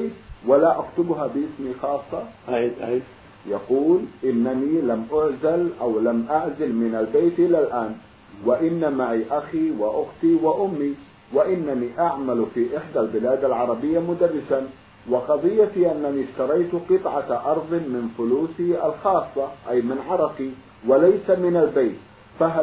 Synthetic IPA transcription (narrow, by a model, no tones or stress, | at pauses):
walaʔakt̪ʊbɦabɪʔɪsmixɑːsˤːɑ | jɑquːlʔɪnːanilamʔʊʕzalʔawlamʔaʕzɪlmɪnalbeːt̪ʔɪlalʔaːn | wɪʔɪnːamaʕiʔaxiwɪʔʊxt̪iwɪʔʊmːi | waʔɪnːaniʔaʕmalfiʔɪħd̪albɪlaːd̪alʕɑɾˤɑbɪjːamʊd̪arːɪsan | wɪqɑðˤɨjːatiʔanːaniʃt̪ɑɾˤɑjt̪qɨt̪ˤʕɑʔɑɾˤðˤmɪnfʊluːsiʔalxɑːsˤːɑʔajmɪnʕɑɾˤɑqi | walajsamɪnalbaːt̪ | faɦa